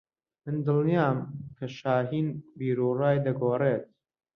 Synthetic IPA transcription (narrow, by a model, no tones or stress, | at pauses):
mɨnd̪ɨlˠnijaːmkʰɐʃaːɦiːnbiːɾuːraːjd̪ɐɡoːreːt̪̚